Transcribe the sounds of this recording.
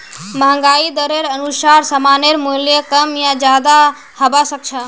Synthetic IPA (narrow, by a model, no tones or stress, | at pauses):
məɦə̃ŋɡaid̪əɾeɾənusaɾsəmaneɾmuljəkəmjad͡ʒad̪a | həbasək̚t͡ʃʰə̃